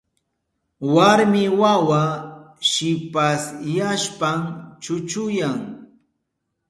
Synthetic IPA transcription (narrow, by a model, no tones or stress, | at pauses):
waɾmɪwawaʃɪpasjaʃpamt͡ʃʊt͡ʃʊjaŋ